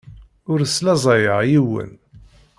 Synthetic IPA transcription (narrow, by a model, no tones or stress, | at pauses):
ʊɾslæzˤɑjəʁjiwə̰n